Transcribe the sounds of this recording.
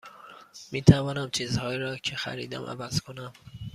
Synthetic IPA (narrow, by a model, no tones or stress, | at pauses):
miːt̪ʰævɒːnæmt͡ʃʰiːzhɒːjiɾɒːcʰexæ̰ɾḭːd̪æ̰mʔæ̰væz̥kʰonæm